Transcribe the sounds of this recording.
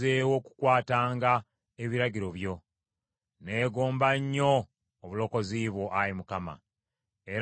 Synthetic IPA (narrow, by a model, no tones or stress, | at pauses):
ewo̞ku̥kwaːtaːŋɡa | eβiɾaɟiɾo̞βjo̞ | ne̞ːɡoːmbaɲːo̞ː | βulo̞ko̞ziːβwoʔajimukama̰ | e̞ɾ